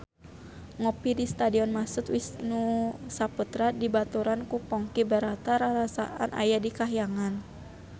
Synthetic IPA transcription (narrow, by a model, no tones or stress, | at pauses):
ŋɔpidist̪adiɔnmasut̪wisnusaput̪ɾadibat̪uɾankupɔŋkibəɾat̪aɾaɾasa̰ʔa̰nʔa̰jadikaɦijaŋan